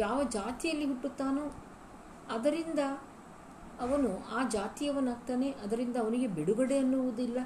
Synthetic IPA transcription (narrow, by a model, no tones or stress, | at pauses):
jaːʋɐd͡ʒaːt̪ijɐlːiɦuʈːut̪ːaːnu | ɐd̪ɐɾind̪ɐː | ʋɐnuaːd͡ʒaːt̪ijɐʋɐnːaːɡ̚t̪aːne̞ʔɐd̪ɐɾind̪ɐːʋɐniɡe̞biɽuɡɐɽeɐnːuʋud̪ilːɐ